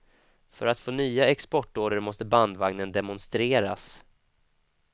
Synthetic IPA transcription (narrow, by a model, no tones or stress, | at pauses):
fœ̰ɾat̪foːnyːaɛkspɔʈːoːɖəɾmɔst̪əband̪vaŋnənd̪ɛmʊnst̪ɾeːɾa̰s